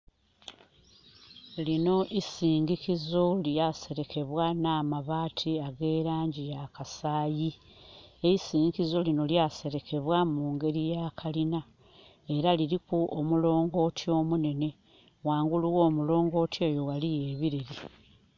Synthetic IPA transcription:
lino̞ʔisiːŋɡikizo̞ljase̞ɾe̞kʰe̞βwanaːmaβaːtʰiaɡe̞ːɾaːɲɟijakasaːji | eisiːŋɡikizo̞lino̞ljaːse̞ɾe̞kʰe̞βwamuːŋɡe̞ɾijaːkʰalina | e̞ɾaliɾikuʔomulo̞ːŋɡo̞ːtʰio̞ːmune̞ne̞ | waːŋɡuluɣo̞ːmulo̞ːŋɡo̞ːtʰie̞ːjo̞walije̞βiɾeɾi

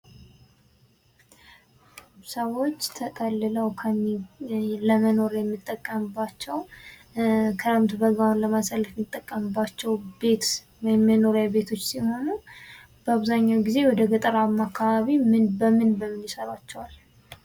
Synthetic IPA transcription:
səwo̞t͡ʃːt̪ʰət̪ʼəlːɨləwkʰəmːiləməno̞ɾjɛmːɨt̪ʼːəkʼːəmbat͡ʃːɛw | kʰələmt̪ʰbəɡanləmasəlːəfmɨt̪ʼːəkʼːəmɨbat͡ʃːɛwbe̞t̪ | wjɛmːɛno̞ɾjɛbe̞t̪ʰo̞t͡ʃːsiho̞nu | b̥əaβzaɲːawɡize̞wɔd̪əɡət̪ʼəɾamakʰːaβaβimɨnbəmɨnbəmɨnjɪsəɾat͡ʃːɛwal

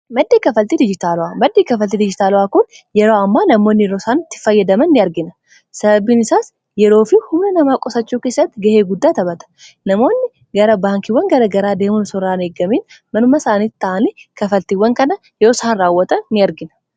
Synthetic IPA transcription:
mɐd̪ːeːkɐfɐlt̪id̪ɪd͡ʒɪt̪aːlʊaːmɐd̪ːeːkɐfɐlt̪id̪ɪd͡ʒɪt̪aːlʊaːkʊn | jɛɾoːɐmːaːnɐmo̞ːnːɪjɛɾo̞ːsaːnt̪ːɪ̥fɐjːɐd̪ɐmɐnːɪɐɾɡɪnɐ | sɐbɐbiːnɪsaːs | jɛɾo̞ːfɪhʊmnɛnɐmaːkʼɔsɐt͡ʃːuːkeːsːɐt̪ːɪɡɐheːɡʊd̪ːaːt̪ɐbɐt̪ɐ̥nɐmo̞ːnːɪ | ɡɐɾɐbaːŋkɪwːɐŋɡɐɾɐɡɐɾaːd̪eːmʊnsɔɾaːneːɡːɐmeːn | mɐnʊmːasaːniːt̪ːɐʔɐnikɐfɐlt̪iwːɐŋkɐnɐ | jɛɾoːsaːnraːwːɐt̪ɐnːɪɐɾɡɪnɐ̥

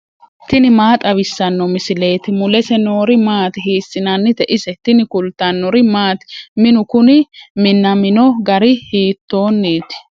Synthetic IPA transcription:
t̪ɪnɪmaːt̪ʼɐwɪsːɐnːɔmɪsɪle̞ːt̪ɪmʊlɛsɛno̞ːɾɪmaːt̪hiːsːɪnɐnːɪt̪ɛʔɪsɛt̪ɪnɪkʊlt̪ːɐnːɔɾɪmaːt̪mɪnʊkʊnɪmɪnːɐmɪnɔɡɐɾɪhiːt̪ːo̞ːnːiːt̪ɪ̥

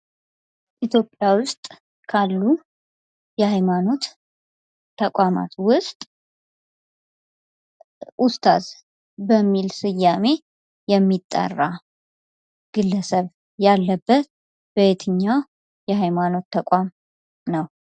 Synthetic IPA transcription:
ʔit̪ʰjo̞pʼjawʊst̪ʼ | kʰalːu | jɛhajmano̞t̪ʰː | əkʷʼama̰t̪wʊst̪ʼ | ʔʊst̪ʰʼa̰z | bəmːilsɨjːame̞ | jɛmːit̪ʼːə̰rːa | ɡ̥ɨlːəsəβ | jalːəbːət̪̚ | bəet̪ʰɨɲːaw | jɛhajmano̞t̪ʰːəkʷʼam | nəw

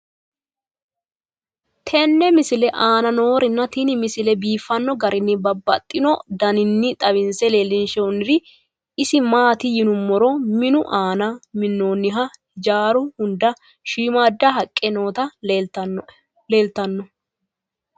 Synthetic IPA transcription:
t̪ʰɛnːɛmɪsɪlɛʔaːnɐno̞ːɾɪnːɐt̪inɪmɪsɪlɛbiːfːɐnːɔɡɐɾʔɪnːɪbɐbːɐ̰t̪ʼːɪnɔd̪ɐnɪnːɪt̪ʼɐβɪnsɛleːlːɪnʃɛnːɪɾɪ | ɪsɪmaːt̪ɪjɪnʊmːɔɾɔmɪnʊʔaːnɐmɪnːoːnːɪɦɐ | d͡ʒaːɾʊhʊnd̪ɐ | ʃiːmaːd̪ːɐɦɐkʼːɛno̞ːt̪ɐ | leːlt̪ɐnːɔ

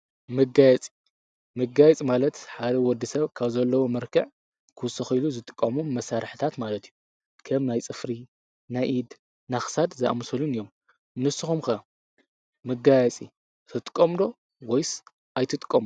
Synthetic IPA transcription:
mɨɡajɛt͡sʼi | mɨɡajɛt͡sʼimalɐt̪ħad̪ɐwɔd̪ːisɐβkʰaβzɐlːɐwomɨɾkʰɐʕ | kʰɨwsɐxiluzɨt̪ʼɨ̥kʼːɐmumːɐsaɾħɨt̪ʰat̪malɐt̪iju | kʰɐmnajt͡sʼɨfɾi | najʔid̪ | naxsad̪zɐʔa̰msɐlunɨjːo̞m | nɨsɨxumkɐ | mɨɡajɛt͡sʼḭ | t̪ʰɨt̪ʼɨ̥kʼːɐmd̪o̞ | wɔjs | ʔajt̪ʰɨt̪ʼɨ̥kʼːɐm

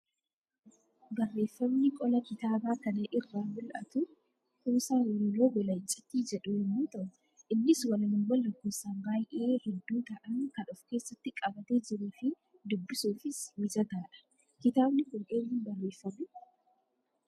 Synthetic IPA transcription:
bɐrːe̞ːfːɐbnɪkʼɔlɐkɪt̪aːbaːkɐnɛʔɪrːaːmʊlʔɐ̰t̪ʊ | huːsaːwɔɾloːɡɔlɐɪt͡ʃʼɪt̪ːiːd͡ʒɛᶑʊhɛmuːt̪ɐʔʊ | ʔɪnːɪswɐlɐnɪŋwɐlːɐkːuːsaːnbaːjʔeːhɛd̪ːuːt̪ɐʔɐnkɐnʊfke̞ːsːɐt̪ːɪkʼɐbɐt̪e̞ːd͡ʒɪɾuːfɪ | d̪ʊbːɪsuːfɪswɪd͡ʒɐt̪aːᶑɐ̥ | kɪt̪aːbnɪkʊlʔeːnhɪnbɐrːe̞ːfːɐbɪ

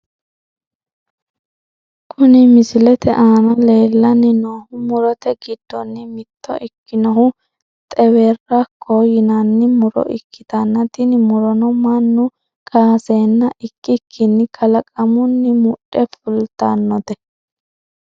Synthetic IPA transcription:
kʰʊnɪmɪsɪlɛt̪ɛʔaːnɐle̞ːlːɐnːɪnoːhʊmʊɾɔt̪ɛɡɪd̪̥ːɔnːɪmɪt̪ːɔ̰ʔɪkːɪnɔɦʊ | t̪ʼɛwerːɐkʰːojɪnɐnːɪmʊɾɔ̰ʔɪkʰːɪ̥t̪ɐnːɐt̪ɪnɪmʊɾɔnɔmɐnːʊ | kʰaːseːnːɐʔɪkːɪkʰːɪnːɪkʰɐlɐkʼɐmʊnːɪmʊɗːɛfʊlt̪ːɐnːɔt̪ɛ

